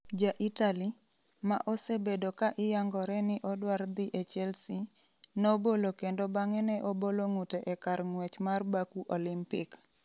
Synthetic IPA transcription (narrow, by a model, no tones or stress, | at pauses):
d͡ʒaʔitali | ma̰ʔosebedokaʔɪjaŋɡɔɾɛnɪʔɔdward̪ɪʔɛt͡ʃɛlsi | nobolokendobaŋɛnɛʔoboloŋutɛʔɛkarŋwɛt͡ʃmarbakuʔɔlɪmpɪk